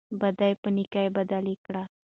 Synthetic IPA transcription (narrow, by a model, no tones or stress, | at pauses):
bɐd̪ajpənikajbɐd̪alikɽa